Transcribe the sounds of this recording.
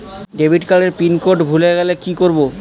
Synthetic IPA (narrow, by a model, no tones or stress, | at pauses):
ɖebʱiʈkaɽeɾpinkoɾʈbʱuleɡɛlekikoɾbo